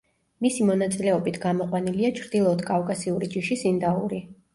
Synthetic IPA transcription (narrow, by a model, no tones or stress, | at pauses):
misimɔnat̪sʼilɛɔbit̪ʰɡ̥amɔqʼwaniliat͡ʃʰɾd̪ilˠɔt̪kʼavkʼasiuɾid͡ʒiʃisind̪aṵɾi